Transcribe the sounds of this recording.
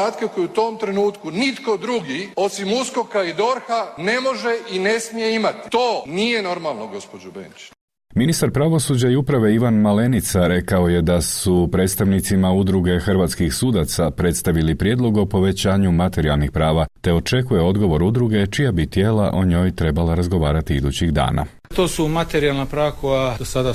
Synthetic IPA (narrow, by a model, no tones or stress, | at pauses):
aːt̪kekojiut̪oːmt̪ɾenuːt̪kunit̪ko̞d̪ɾuɡio̞simuskokaid̪o̞ɾxane̞mo̞ʒeinesmijeimat̪i̥t̪oːnijeno̞ɾmalˠnoɡospod͡ʒobḛnt͡ʃe̥ | minist̪aɾpɾaʋo̞suːd͡ʑaiupɾaʋe̞iʋanmale̞nit̪saɾe̞kao̞je̞d̪asupɾe̞ːt̪st̪aʋnit̪simaud̪ɾuɡe̞xrʋaːt̪skixsuːd̪at̪sapɾe̞t̪st̪aʋilipɾje̞ːd̪lˠo̞ɡo̞po̞ʋe̞t͡ɕaːɲumat̪e̞ɾialˠnixpɾaːʋat̪e̞o̞t͡ʃe̞kuje̞o̞d̪ɡo̞ʋo̞ɾud̪ɾuɡe̞t͡ʃijabit̪je̞ːlaʔo̞ɲo̞ːjt̪ɾe̞balaɾazɡo̞ʋaːɾat̪iid̪ut͡ɕiɣd̪a̰ːna̰ | t̪oːsumat̪eɾijalnapɾaːʋakojad̪osad̪a